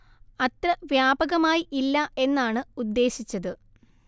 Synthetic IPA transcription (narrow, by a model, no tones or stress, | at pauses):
ɐt̪rɐʋjaːbɐɣɐmaːjiʔilːɐe̞nːaːɳɨud̪ːe̞ːɕit͡ɕːɐðɨ